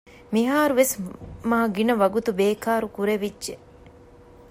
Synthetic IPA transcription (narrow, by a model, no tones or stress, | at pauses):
miɦaːɾuʋesmaːɡinɐʋɐɡut̪ubeːkaːɾukuɾeʋidːʒe